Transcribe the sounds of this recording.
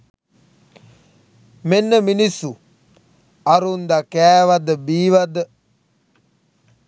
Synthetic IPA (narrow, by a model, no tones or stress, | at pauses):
menːəminisːu | aɾund̪akæːʋad̪əbiːʋad̪ə